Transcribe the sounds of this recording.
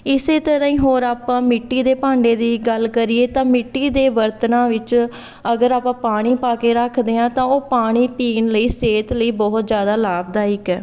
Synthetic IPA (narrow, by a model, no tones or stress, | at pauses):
ɪseːt̪əɾãːĩːɦoːɾaːpãːmɪʈːiːd̪eːpãːɳɖeːd̪iːɡəlkəɾieːt̪ãːmɪʈːiːd̪eːʋəɾt̪ənãːʋɪt͡ʃ | əɡəɾaːpãːpaːɽ̃iːpaːkeːɾəkʰd̪eːãːt̪ãːoːpaːɽ̃iːpiːnləiːseːt̪ləiːbɔɦʊt̪d͡ʒjaːd̪aːlaːb̚d̪aːɪkɛː